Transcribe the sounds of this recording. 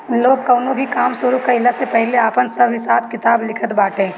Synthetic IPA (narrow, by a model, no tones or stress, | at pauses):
loːɡ̚kɐʊnobʱikaːmsʊɾukaɪlasepɛɦleaːpənsɐbɦɪsaːb̚kɪt̪aːblɪkʰət̪baːʈẽː